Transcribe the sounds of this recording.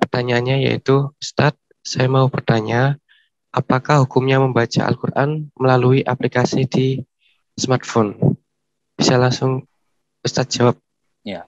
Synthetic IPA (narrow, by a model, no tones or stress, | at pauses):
pərt̪aɲaːnɲaja̰ḭt̪uust̪at̪̚ | sajamaupərt̪aɲa | ʔapakahɦukumɲaməmbat͡ʃa̰ʔa̰lkurʔa̰nməlaluiʔaplikasidi | smart̪̚fon | b̥isalaŋsʊŋ | ust̪at̪̚d͡ʒawap̚